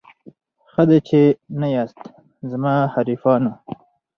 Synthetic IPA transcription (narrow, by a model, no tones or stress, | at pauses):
xəd̪at͡ʃenajɑːst̪ | zmɑːhaɾifɑːnu